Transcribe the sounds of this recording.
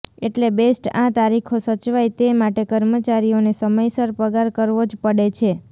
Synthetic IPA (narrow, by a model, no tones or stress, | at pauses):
eʈlebesʈãt̪aɾikʰosət͡ʃʋajt̪emaʈekəɾmət͡ʃaɾionesəməjsəɾpəɡaɾkəɾʋod͡ʒpəɽet͡ʃʰe